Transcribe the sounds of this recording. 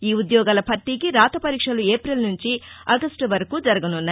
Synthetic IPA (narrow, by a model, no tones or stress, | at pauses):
iːud̪jɔːɡaːlɐpɐɾʈikiɾaːt̪ɐpɐɾiːkʂɐlueːpɾɐlnuɲt͡ʃiɐɡɐsʈuʋɐɾɐkud͡ʒɐɾɐɡɐnunːɐ